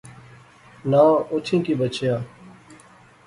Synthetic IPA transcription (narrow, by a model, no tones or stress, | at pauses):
nãːʊt̪ʰĩːkiːbət͡ʃʰjaː